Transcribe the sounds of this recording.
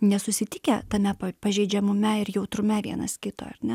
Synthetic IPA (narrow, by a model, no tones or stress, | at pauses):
nʲɛsʊsʲɪt̪ʲɪkʲɛt̪ɐmʲɛpɐpɐʒʲɛɪd͡ʒʲɛmʊmʲɛɪɾjɛʊt̪ɾʊmʲɛʋʲiɛnɐ̰skʲɪt̪o̰ːɐrnʲɛ